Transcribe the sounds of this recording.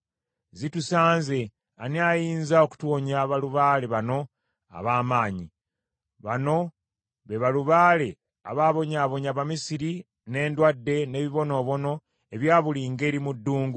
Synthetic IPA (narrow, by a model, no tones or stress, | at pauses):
zitusaːnze̞ | aneajiːnzao̞ku̥twoɲaβaluβaːle̞βano̞ | a̰βaːmaːɲi | βano̞ | βe̞βaluβaːle̞ | a̰βaːβo̞ɲaːβo̞ɲaβamisiɾi | ne̞ːndwadːe̞ne̞ːβiβo̞no̞ːβo̞no̞ | e̞βjaːβuliŋɡe̞ːɾimudːuːŋɡu